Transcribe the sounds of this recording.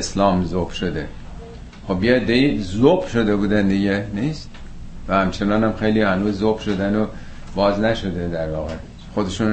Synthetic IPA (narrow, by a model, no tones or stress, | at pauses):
slɒːmzob̥ʃod̪ḛ | xobjeed̪ːeiːzob̥ʃo̞d̪e̞buːd̪ænd̪iɟeniːst̪ | væhæmt͡ʃʰe̞nɒːnæmxe̞jliːhænuːzːob̥ʃo̞d̪æno | b̥ɒːznæʃo̞d̪ed̪æɾvɒːɣe̞ | xo̞d̪e̞ʃun